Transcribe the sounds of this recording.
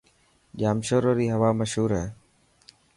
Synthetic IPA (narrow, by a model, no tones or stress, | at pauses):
ʄaːmʃoːɾoːɾiːɦəʋaːməʃɦuːɾɦɛː